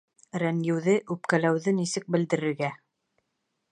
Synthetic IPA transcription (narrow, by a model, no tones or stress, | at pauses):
ɾænjɘ̆wðɘʔʉpkælæwðɘnisɘk̚bɘ̆ld̪ɘ̆ɾɘ̆ɾɡæ